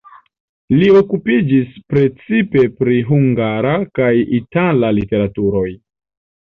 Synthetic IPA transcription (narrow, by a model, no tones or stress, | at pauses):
lio̞kupid͡ʒispɾe̞t͡sipe̞pɾiɦuŋɡaɾakajitalalite̞ɾatuɾo̞j